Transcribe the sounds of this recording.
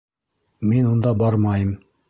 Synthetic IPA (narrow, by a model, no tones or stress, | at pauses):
minund̪ɑbɑɾmɑjɤm